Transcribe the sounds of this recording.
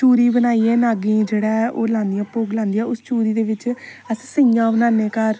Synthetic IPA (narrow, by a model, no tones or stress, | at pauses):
t͡ʃuːɾiːbənaːieːnaːɡĩːd͡ʒeːɽaːʔoːlãːnd̪ɪjãːpoːɡlãːnd̪ijãːʊst͡ʃuːɾiːd̪eːʋɪt͡ʃ | əssɪɡãːbənãːneːkəɾ